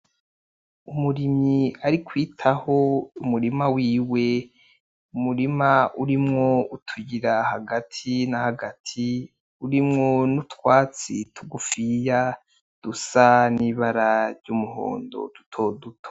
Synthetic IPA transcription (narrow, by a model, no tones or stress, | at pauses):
umuɾimɲiaɾikwiːtʰahoumuɾimawiːwe̞ | umuɾimaʔuɾimŋoutʰuɟiɾahaɡatʰinahaɡatʰi | uɾimŋonutwaːt͡sitʰuɡufija | d̥usaniːβaɾaɾɟumuho̰ːndo̞̰d̥utʰo̞dutʰo̥